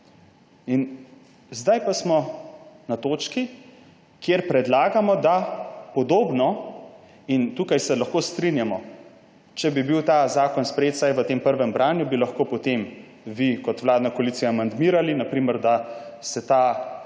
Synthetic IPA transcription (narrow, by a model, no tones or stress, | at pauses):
in | zd̪ajpasmɔnat̪oːt͡ʃki | kjeɾpɾɛd̪laːɡamɔd̪apɔd̪oːbnɔ | int̪uːkajsɛlɐxkoːst̪ɾinjamɔ | t͡ʃɛbibiwt̪azaːkɔnspɾjeːt̪sajʋət̪eːmpəɾʋɛmbɾaːnjubilɐxkoːpot̪em | ʋikɔt̪ʋwlaːd̪nakoaliːt̪ijaːmand̪miːɾalinapɾiːməɾd̪a | sɛt̪aː